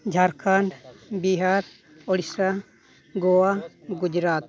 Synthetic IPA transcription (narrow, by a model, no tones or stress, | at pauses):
d͡ʒʱaɾkʰaɳɖbiɦaɾ | ɔɽisa | ɡowaɡud͡ʒɾaːt̪̚